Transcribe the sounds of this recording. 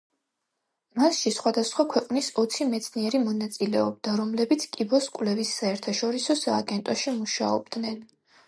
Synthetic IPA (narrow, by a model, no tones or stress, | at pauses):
masʃisχwad̪asχwakʰwɛqʼnisɔt̪sʰimɛt̪sʰniɛɾimɔnat̪sʼilɛɔb̚d̪aɾɔmlɛbit̪sʰkʼibɔskʼwlɛvisːaɛɾt̪ʰaʃɔɾisɔsaːɡɛnt̪ʼɔʃimuʃa̰ɔ̰bd̪nɛn